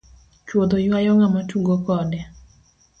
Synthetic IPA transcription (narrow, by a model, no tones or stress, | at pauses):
t͡ʃwod̪ojwajɔŋamatuɡokɔdɛ